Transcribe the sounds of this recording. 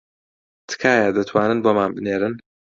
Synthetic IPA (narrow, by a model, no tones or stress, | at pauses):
t̪ʰɨ̥kʰaːjad̪ɐt̪ʰwaːnɨnboːmaːnbɨneːɾɨn